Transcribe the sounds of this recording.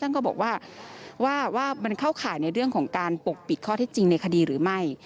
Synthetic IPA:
ta˥˩nkɔː˥˩bɔː˨˩k̚waː˥˩waː˥˩waː˥˩ma˧nkʰa˥˩wkʰaː˨˦jna˧jɾɯ˥˩əŋkʰɔː˩˦ŋkaː˧npo˨˩k̚pi˨˩t̪̚kʰɔː˥˩t̪ʰɛː˥˩t͡ɕi˧ŋna˧jkʰa˧diː˧ɾɯː˩˦ma˥˩j

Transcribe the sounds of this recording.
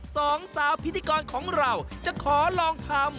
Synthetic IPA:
sɔː˨˦ŋsaː˨˩˦wpʰi˦˥t̪ʰːiː˧kɔː˧nkʰɔː˩˦ŋɾa˨˩wt͡ɕa˨˩kʰɔː˩˦lɔː˧ŋt̪ʰa˧m

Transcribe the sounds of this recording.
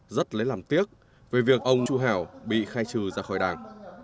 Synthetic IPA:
zə˦˥t̚lə˨˦jlaː˨˩mt̪i˦˥ək̚ | ve˨˩vi˨˩ək̚ʔə˧wŋ͡mt͡ɕu˧ɦaː˧˩wɓḭ˧˨xaː˧jt͡ɕɨ˨˩zaː˧˩xɔ˧˩jɗaː˨˩ŋ

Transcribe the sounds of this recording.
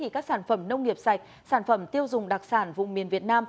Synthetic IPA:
i˧˩kaː˦˥k̚saː˧˩nfə˧˩mnə˧wŋ͡mŋi˨˩əp̚sa˨˩jk̟̚ | saː˧˩nfə˧˩mt̪i˧əwzʊ˨˩ŋ͡mɗa˨˩k̚saː˧˩nvʊ̰˧˨ŋ͡mmi˨˩ənvi˨˩ət̚naː˧m

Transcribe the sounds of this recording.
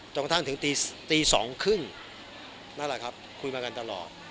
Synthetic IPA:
t͡ɕo˧ka˧t̪ʰa˥˩ŋt̪ʰɯ˩˦ŋt̪iː˧t̪iː˧sɔː˩˦ŋkʰɯ˥˩ŋ | na˦˥˩la˨˩kʰa˦˥p̚kʰu˧jmaː˧ka˧nt̪a˧lɔ̰ː˨˩t̪̚

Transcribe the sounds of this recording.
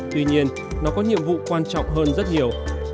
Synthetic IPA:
t̪wi˧ɲi˧ən | nɔ˨˦kɔ˨˦ɲḭ˧˨əmvṵ˧˨kwaː˧nt͡ɕɔ̰˧˨ŋ͡mɦəː˧nzə˦˥t̚ɲi˨˩əw

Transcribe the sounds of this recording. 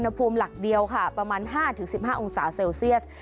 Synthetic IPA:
nha˧pʰuː˧mla˨˩k̚di˧əwkʰa˥˩pɾa˧maː˧nɦaː˥˩t̪ʰɯ˩˦ŋsi˨˩p̚haː˥˩ʔo˧ŋsaː˩˦seː˧wsi˥˩əts̚

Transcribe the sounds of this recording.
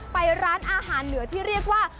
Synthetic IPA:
pa˧jɾaː˦˥nʔaː˧ɦaː˩˦nːɯ˨˩˦ɐt̪ʰiː˥˩ɾi˥˩ək̚waː˥˩

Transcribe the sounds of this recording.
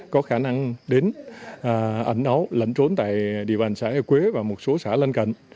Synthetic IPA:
kɔ˨˦xaː˧˩na˧ŋɗe˨˦nʔːʔə˧˩jŋ̟ʔə˨˦wlə̰˧˩ŋt͡ɕo˨˦nt̪a̰ː˧˨jɗḭ˧˨əɓaː˨˩ŋsa̰ː˧˥ə˧˩kwe˨˦vaː˨˩mo˨˩t̚so˨˦saː˧˩lə˧nkə̰˧˨ŋ

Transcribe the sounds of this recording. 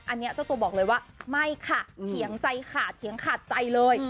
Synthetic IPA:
ʔa˧nːi˦˥ɐt͡ɕʰa˥˩t̪u˧əbɔː˨˩lɤː˧jwaː˥˩ma˥˩jkʰa˥˩t̪ʰi˩˦əŋt͡ɕa˧jkʰaː˦˧˩t̪̚ʰi˨˩˦əŋkʰaː˨˩t̪̚t͡ɕa˧jlɤː˧j

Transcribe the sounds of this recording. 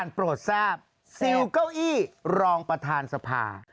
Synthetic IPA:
a˧˩npɾoː˨˩t̪̚saː˥˩p̚ | si˧wka˥˩wʔiː˥˩ɾɔː˧ŋpɾa˧t̪ʰaː˧nsa˧pʰa̰ː˧

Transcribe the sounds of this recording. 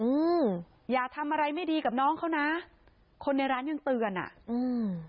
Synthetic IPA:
ʔɯː˧m | jaː˨˩k̚t̪ʰa˧mʔa˧ɾa˧jma˥˩jdiː˧ka˨˩p̚nɔː˦˥ŋkʰa˦˥wna˦˥ | kʰo˧nːa˧jɾaː˦˥nja˧ŋt̪ɯː˧ə˧nʔa̰˨˩ʔʔɯː˧m

